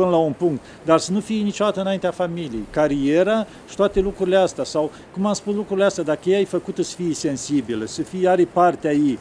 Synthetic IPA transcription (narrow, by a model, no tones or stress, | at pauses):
pɨnlaunpuŋkt̪ | d̪arsənufijenit͡ʃod̪at̪əɨnaint̪eafamilijḛjkaɾieɾa | ʃi̥t̪oat̪e̞lukɾuɾileast̪easaw | kumamspuslukɾuɾileast̪ʲad̪akəjejajfəkut̪əsə̥fijse̞nsibiləsəfijaɾepart̪eaji